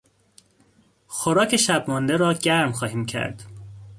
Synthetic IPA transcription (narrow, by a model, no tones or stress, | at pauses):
xoɾɒːcʰe̞ʃæbmɒnd̪eɾɒːɟæɾmxɒːhiːmcʰæ̰ɾd̪̥